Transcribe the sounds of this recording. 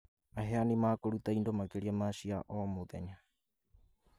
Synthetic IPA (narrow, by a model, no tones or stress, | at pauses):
aɦeanimaːkoɾut̪ajndomakeɾiamasia̰ʔoːmut̪ḛɲa